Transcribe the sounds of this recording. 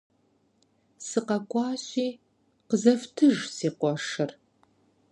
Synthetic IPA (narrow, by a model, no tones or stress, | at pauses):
sɨqɐkʷʼɑːɕiː | qəzɐftʰɨʒsiːqʷɔʂɨr